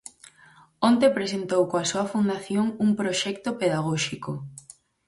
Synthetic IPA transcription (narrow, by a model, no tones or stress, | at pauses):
ont̪epɾesent̪owkoasoɐfund̪aθjoŋuŋpɾoʃɛkt̪opeðaɣoʃiko